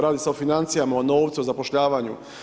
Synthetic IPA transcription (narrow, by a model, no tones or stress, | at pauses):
ɾaːd̪iseofinant̪sijamaono̞ːʋt̪sio̞zapoʃʎaːʋaɲṵ